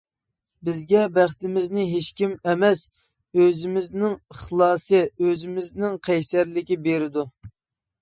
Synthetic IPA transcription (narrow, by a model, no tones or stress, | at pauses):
bɪzɡʲɛbæχt̪ɪmɪznɪɦeʃkʲimɛmɛs | øzɪmɪznɪŋəχlˠɑːsɨøzɪmɪznɪŋqʰɛjsæɾlɪkʲibeɾɪd̪u